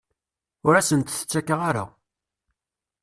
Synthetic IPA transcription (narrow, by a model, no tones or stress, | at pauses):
ʊɾæsənt̪θə̥t͡sːækːəʁaɾa̰